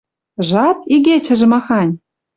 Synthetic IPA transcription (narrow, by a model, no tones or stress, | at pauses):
ʒɑt̪̚iɣet͡ɕə̆ʒĕmɑxɑnʲ